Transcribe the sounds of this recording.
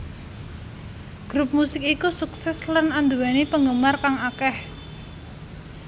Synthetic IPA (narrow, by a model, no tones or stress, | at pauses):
ɡ̥ɾup̚musɪkikusuksɛslənand̪uwanipəŋɡəmarkaŋakɛh